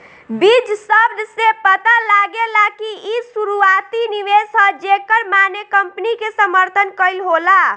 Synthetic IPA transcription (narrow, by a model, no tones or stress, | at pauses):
bid͡ʒsəbd̪ʱsepət̪alaɡelakiisuɾuat̪iniʋesəd͡ʒekəɾmanekəmpnikesəməɾt̪ʰənkəɪlɦola